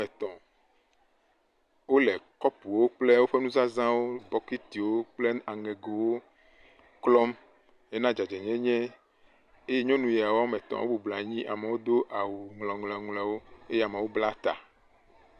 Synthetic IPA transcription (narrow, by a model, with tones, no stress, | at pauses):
ɛ˨t̪ɔ̃˨ | wo˦lɛ˨kɔ˦pu˨wo˦k͡ple˦wo˦ɸe˦nũ˦za˦zã˦wo˦bɔ˦ki˦t̪i˨wo˦k͡ple˦a˨ŋe˨ɡo˨wo˦ | klɔ˦m | je˦nã˦d͡ʒa˨d͡ʒɛ˨ɲɛ̃˦ɲɛ̃˦ | e˦ɛ˦ɲɔ̃˦nũ˨ja˨wo˦a˦mɛ̃˨t̪ɔ̰̃˨wo̰˦bo˨bla˨ɲĩ˦ʔa˨me˨wo˦d̪o˦ʔa˨wu˨ŋlɔ̃˨ŋlɔ̃˨ŋlɛ˨wo˦e˦jɛ˦a˨me˨wo˦bla˦t̪a̰˨